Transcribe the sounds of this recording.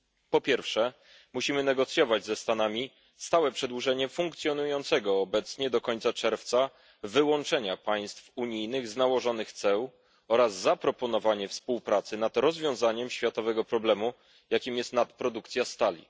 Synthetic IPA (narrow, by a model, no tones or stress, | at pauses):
pɔpʲjɛɾfʂɛ | muɕimɘnɛɡɔt̪sʲjɔvad͡ʑzɛst̪anamʲi | st̪awɛpʂɛd̪wuʐɛɲɛfuŋk̚t̪sʲjɔnujɔnt̪sɛɡɔːbɛt̪sɲɛd̪ɔkɔɲt̪sat͡ʂɛɾft̪sa | vɘwɔnt͡ʂɛɲapaj̃st̪fuɲijnɘɣznawɔʐɔnɘxt̪sɛw | ɔɾazːapɾɔpɔnɔvaɲɛfspuwpɾat̪sɘnad̪ɾɔzvʲjɔ̃w̃zaɲɛmɕfʲjat̪ɔvɛɡɔpɾɔblɛmu | jakʲimjɛst̪nat̪pɾɔd̪ukt̪sʲjast̪alʲḭ